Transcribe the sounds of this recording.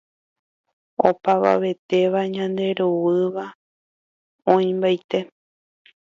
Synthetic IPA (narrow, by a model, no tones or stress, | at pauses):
o̞paβa̰ʋe̞t̪e̞ʋaɲãnd̪e̞ɾuwɨʋa | õĩmbajt̪e̞